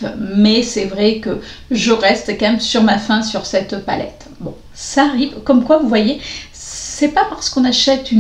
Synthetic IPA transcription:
mɛsɛvʁɛkəʒəʁɛst̪kɑ̃mɛmsyʁmafɛ̃syʁsɛt̪pa̰lɛ̰t̪ | bɔ̃ | saːʁivkɔmkwavuvwaje | sɛpapaʁsə̥kɔ̃naʃɛt̪yn

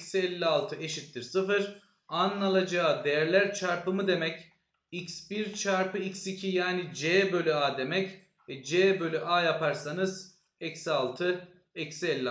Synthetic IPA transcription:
ksiɛlʲːialˠt̪ʰɯeʃit̪ːiɾsɯfɯɾ | anːalˠad͡ʒad̪e̞jæɾlʲæɾt͡ʃʰaɾpɯmɯd̪e̞mɛc | icsbiɾt͡ʃʰaɾpɯicsicʰijaːnid͡ʒɛːbø̞lʲyaːd̪e̞mɛc | vɛd͡ʒɛːbø̞lʲyʔaːjapʰaɾsanɯz | ɛcsalˠt̪ʰɯ | ɛcsɛlʲːi

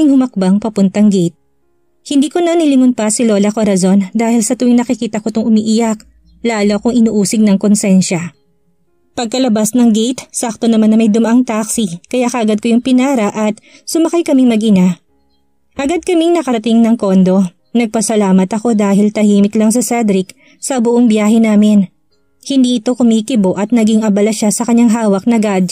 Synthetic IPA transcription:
ɪŋhʊmɐk̚baŋpɐpʊnt̪ɐŋɡɛjt̪̚ | hɪnd̪iːko̞nɐnɪlɪŋʊnpɐsɪloːlɐkoɾɐzo̞nd̪aːhɪlsɐt̪ʊwɪŋnɐkɪkiːt̪ɐkot̪oŋʔʊmiːʔɪjak̚ | laːloɐkoŋʔɪnuʔuːsɪɡ̚nɐŋkonsɛnʃɐ | pɐɡ̚kɐlɐbasnɐŋɡɛjt̪sak̚t̪onɐmanːɐmɐjd̪ʊmɐʔaŋt̪aksikɐjakɐʔɐɡad̪̚kojʊŋpɪnaːɾɐʔɐt̪ | sʊmɐkajkɐmɪŋmɐɡʔɪna | ʔɐɡad̪̚kɐmiŋnɐkɐɾɐt̪ɪŋnɐŋko̞nd̪o̞ | nɐɡ̚pɐsɐlaːmɐt̪ɐko̞d̪aːɦɪlt̪ɐhiːmɪklɐŋs̬ɛsɛd̪ɾɪk | sɐbʊʔoŋbjaːhɛnaːmɪn | hɪnd̪iʔɪt̪okʊmiːkɪbo̞ʔɐt̪̚nɐɡiŋɐbɐlɐʃasɐkɐɲːaŋɦaːwɐk̚nɐɡad̪

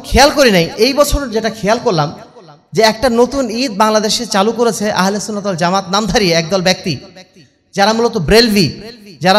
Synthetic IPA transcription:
kʰejalkoɾinajʔejbɔt͡ɕʰoɾd͡ʑeʈakʰejalkoɾlam | d͡ʑeɛk̚ʈanot̪unid̪̚baŋlad̪eʃet͡ɕalukoɾet͡ɕʰeʔaɦlesunːat̪old͡ʑamat̪namd̪ʱaɾijeɛk̚d̪ɔlbɛk̚t̪i | d͡ʑaɾamulot̪obɾelbʱid͡ʑaɾa

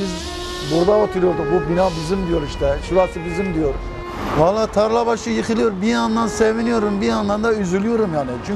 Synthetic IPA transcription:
iz | buɾd̪avat̪ʰyɾjolˠd̪uk̚bubinaːbizimd̪ijoɾiʃt̪ɛʃulasʰɯbizimd̪ijoɾ | valˠːaːt̪ʰaɾlˠabaʃɯjɯxɯlˠijoɾbijand̪ansevinijoɾumbijand̪and̪ayzylyjoɾumjaːnɪt͡ʃʰy

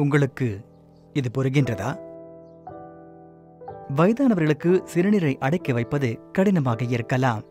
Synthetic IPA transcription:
ʊŋɡɐɭɯkːɯ | ɪðɯpɔɾɯɣɪndrɐðaː | ʋɐjɪðaːnɐʋɐɾɣɐɭɯkːɯsɪɾɯnɪɾɐɪʔɐɽɐɪkːɐʋɐɪpːɐðɯkɐɽɪnɐmaːɣɐɪɾɯkːɐlaːm

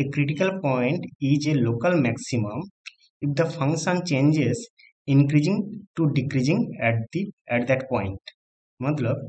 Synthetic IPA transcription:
ekɾɪʈikəlpɔɪ̃ɳʈid͡ʒeloːkəlmɛksimə̃m | ifd̪əfʌ̃ŋkʃə̃nt͡ʃẽːnd͡ʒez | ɪ̃nkɾid͡ʒĩŋʈuɖikɾid͡ʒĩŋɛʈd̪iɛʈd̪ɛʈpɔ̃ɪ̃ɳʈ | mʌt̪ləb

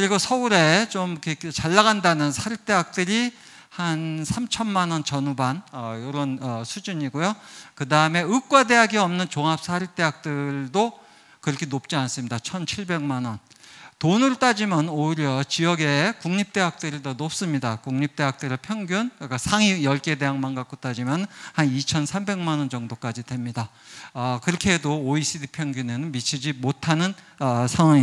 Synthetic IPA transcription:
kɯɾiɡosʰʌuɾe̞t͡ɕomket͡ɕaɭːaɣandanɯnsʰaɾip̚t͈e̞ɦak̚t͈ɯɾi | hansʰamt͡ɕʰʌnmanʌnt͡ɕʌnubanʌjoɾʌnʌsʰud͡ʑuɲiɡojokɯdaɯme̞ɯk͈wade̞ɦaɡiʌmnɯnt͡ɕoŋɦap̚s͈ʰaɾip̚t͈e̞ɦak̚t͈ɯɭdo | kɯɾʌkʰenop̚t͡ɕ͈ians͈ɯmɲidat͡ɕʰʌnt͡ɕʰiɭbe̞ŋmanʌn | tonɯɾɯt͈ad͡ʑimʌnoiɾjʌt͡ɕijʌɡe̞kuŋɲip̚t͈e̞ɦak̚t͈ɯɾidʌnop̚s͈ɯmɲidakuŋɲip̚t͈e̞ɦak̚t͈ɯɾɯɭpʰjʌŋɡjunk͈asʰaŋijʌɭk͈e̞de̞ɦaŋmanɡak͈ot͈ad͡ʑimjʌnnhanit͡ɕʰʌnsʰambe̞ŋmanʌnd͡ʑʌŋdok͈ad͡ʑidwe̞mɲida | ʌkɯɾʌkʰeɦedoːis͈ʰidipʰjʌŋɡune̞nɯnmit͡ɕʰid͡ʑimotʰanɯn | sʰaŋwaŋi

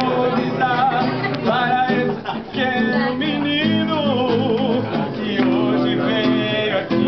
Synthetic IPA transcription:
disapaɾɐes | keʊminĩnʊ | kɪoʒɪve

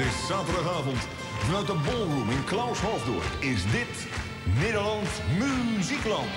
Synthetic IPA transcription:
ɪsaːtədɑχaːvɔnt | dnatəbolˠrumɪnklawshɔlvdo̰əkɪsdɪt | nɪːdəlɑnsmymyziklɑnt

